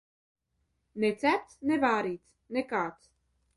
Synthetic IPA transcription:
nɛt͡sɛt͡snɛvaːɾit͡s | nɛkat͡s

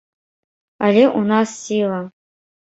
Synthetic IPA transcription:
alʲeʔunasːʲilˠɐ

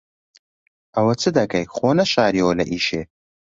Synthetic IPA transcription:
ɐwɐt͡sʰɨd̪ɐɡɐjχoːnɐʃaːɾioːlɐʔiːʃḛː

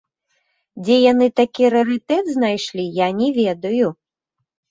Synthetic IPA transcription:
d͡zʲɛjanɨt̪akʲiɾɐɣɨt̪ɛd̪znajʂlʲijanʲɛvʲɛd̪ɐju

